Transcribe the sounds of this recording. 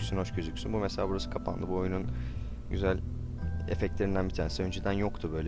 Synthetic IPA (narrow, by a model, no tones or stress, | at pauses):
synho̞ʃcøzycʲsynbumeselʲaːbuɾasɯ̥kʰapʰa̰nd̪ˠɯbuo̞junun | ɟyzælʲ | ḛfɛct̪lʲe̞ɾind̪ænbit̪ʰæːnesiø̞nd͡ʒed̪ænjokt̪ʰubø̞jlʲɛ